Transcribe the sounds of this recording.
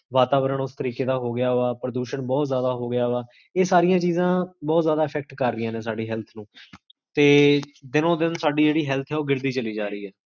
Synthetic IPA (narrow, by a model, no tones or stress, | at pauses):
ʋaːt̪aːʋəɾəɳʊst̪əɾiːkeːd̪aːɦoːɡɪjaːoaːpɾəd̪uːʃəɳbɔːt̪zjaːd̪aːɦoːɡɪjaːoaː | eːsaːɾɪjãːt͡ʃiːzãːbɔːt̪zjaːd̪aːɪpʰɛːk̚ʈkəɾːɪjãːnẽːs̬aːɖiːɦɛːlt̪ʰnũː | t̪eːd̪ɪnõːd̪ɪnsaːɖiːd͡ʒeːɽiːɦɛːlt̪ʰɛːoːɡɪɾd̪iːt͡ʃəliːd͡ʒaːɾəiːɦɛː